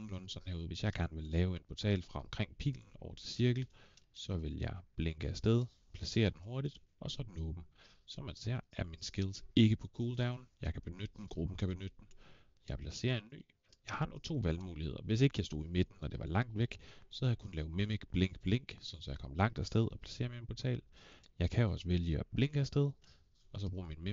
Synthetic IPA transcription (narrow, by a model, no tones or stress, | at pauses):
lɔ̽nsɒnheʊð̩ˠʋe̝sjɑ̈ɪɡ̥æɐnʋe̝lːɛːʊe̝npʰɒt͡sʰɛ̰ːlfʁɑ̈ɒ̽mkʰʁeŋ̰pʰḭːln̩ɒʊɐt͡sʰe̝lsiɐɡ̥l̩ | sɒ̽ʋe̝ljɑ̰̈ɪb̥leŋɡ̥əæsd̥eð̞ˠ | pʰlæse̝̰ːɐd̥enho̝ɐɾid̥ | ʔɒ̽sɒ̽d̥en̩ɔ̽ːb̥m̩ | sɒ̽mæd̥sæɐ̰æɐminsɡ̥elˠse̝ɡ̥əpʰɒ̽kʰuːld̥ɑ̈ʊnjɑ̈ɪkʰæb̥e̝nød̥əd̥n̩ɡ̥ʁub̥n̩kʰæb̥e̝nød̥əd̥en | jɑ̈ɪpʰlæse̝̰ːɐe̝nːy̰ː | jɑ̈ɪhɑ̈not͡sʰo̝̰ːʋælmuːlihe̝ðˠɐʋe̝s̬e̝ɡ̥əjɑ̈ɪsd̥o̝̰ðˠime̝d̥n̩ːɒ̽d̥e̝ʋɑ̈lɑ̈ŋ̰d̥ʋeɡ̥sɒ̽hæðjäkʰun̩lɛːʊmemeɡ̥b̥leŋ̰ɡ̥b̥leŋ̰ɡ̥sɒ̽n̩sɒ̽jɑ̈ɪkɒ̽m̰lɑ̈ŋ̰d̥æsd̥eð̞ˠɒ̽pʰlæ̥se̝̰ːɐminpʰɒt͡sʰɛ̰ːl | jɑ̈ɪkʰæɒ̽səʋeljəɒb̥leŋɡ̥æsd̥eð̞ˠ | ɒ̽sɒ̽b̥ʁṵːminme